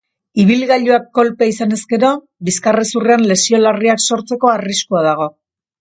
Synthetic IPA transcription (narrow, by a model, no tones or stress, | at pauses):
iβ̞ilɣaʎuakːo̞lpeaisane̞ske̞ɾo̞ | biskaresureanle̞sio̞lariakso̞ɾt͡se̞ko̞ariskuaðaɣ̞o̞